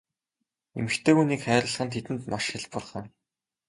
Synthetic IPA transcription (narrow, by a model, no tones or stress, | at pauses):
ḛmɘ̆xt̪ʰeːxuniːkχæːɾə̆ɮʁə̆nt̪ʰet̪ɘ̆nt̪maʃxɪɮpʊrχə̆n